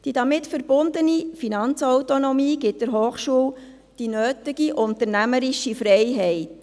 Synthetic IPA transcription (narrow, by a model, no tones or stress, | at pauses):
d̥id̥ɑmɪtfəɾbʊnd̪ənifinɑnt͡sɔwtonɔmiːɡɪt̚d̥ɪɾɦoːχʃuːw | d̥inøːtɪɡiʔʊnt̪əɾnæməɾɪʃifɾɛjɦɛɪt